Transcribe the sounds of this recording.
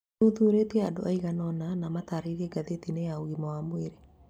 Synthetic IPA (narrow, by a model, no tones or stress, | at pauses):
oðuːɾetiɛadoʔaiɣanɔnanamataːɾeiɾɛɡaðetinejauɣimɔwamweɾe